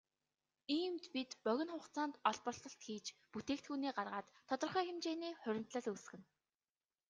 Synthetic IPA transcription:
iːmt̪pit̪pœɣʲɪ̆nχʊχt͡sɔːnt̪ɔɮpɔ̆ɬt̪ɞ̆ɬt̪xiːt͡ɕput̪eːkt̪xuːniːɢarʁaːt̪ʰːɔt̪ɞ̆rχœːxemt͡ɕeːniːχɵɾʲɪ̆m̥t̪ɮə̆ɮus̆xɘ̆n

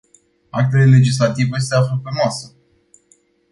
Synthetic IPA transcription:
ak̚t̪elele̞d͡ʒis̬lat̪ivəjes̬t̪e̞afləpemasə

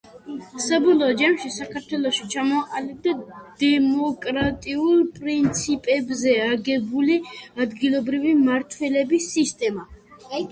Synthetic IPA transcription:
sabɔlˠɔːd͡ʒamʃisakʰaɾt̪ʰwɛlˠɔʃit͡ʃʰamɔʔalɛb̚d̪ad̪̥ɛmɔkʼɾat̪ʼiulˠpʼɾint̪sʰipʼɛbzɛaɡɛbuliad̪ɡilˠɔbɾivimaɾt̪ʰwɛlɛbisːist̪ʼɛma

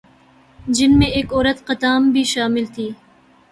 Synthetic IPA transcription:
d͡ʒɪnmẽeːkɔːɾət̪qɐt̪aːmbʱiʃaːmɪlt̪ʰiː

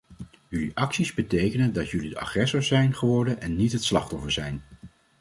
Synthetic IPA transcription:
jɵliʔɑksizbətejkənəndɑtjɵlidəʔɑ̰χrɛsɔɹsɛjnχəʋɔɹdənʔɛnːitɦətslɑχtɔfəɹz̥ɛjn

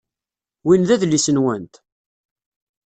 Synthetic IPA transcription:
winðæðlːisənwænt̪

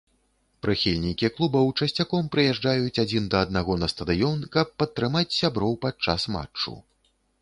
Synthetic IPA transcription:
pɾɨxʲilʲnʲikʲiklˠubɐwt͡ʂɐsʲt͡sʲakɔmpɾɨjɛʐd͡ʐajut͡sʲad͡zʲind̪ɐːd̪̚naɣɔnɐst̪ɐd̪ɨjɔnkɐpːɐt̪ːɾɨmat͡sʲsʲabɾɔwpat͡ʂːasma̰t͡ʂːṵ

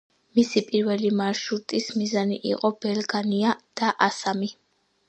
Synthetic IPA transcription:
misipʼiɾvɛlimaɾʃɾut̪ʼismizaniʔḭqʼɔbɛlɡaniad̪̥aʔasami

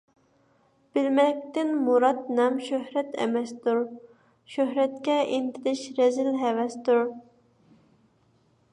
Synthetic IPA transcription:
b̥ɪlmɛk̚ʲt̪ɪnmuɾɑt̪̚nɛmʃøhɾɛt̪ʰɛ̰mɛst̪uɾ | ʃøɦɾɛt̪̚kʲɛʔint̪ʰɪlɪʃɾɛzɪlɦɛvɛst̪uɾ

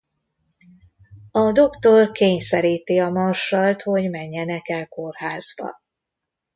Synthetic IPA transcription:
ɒd̪o̞kt̪o̞rkeːɲsɛɾiːt̪iɒmɒrʃɒlt̪ho̞ɟmɛɲːɛnɛkɛlkorhaːzbɒ̰

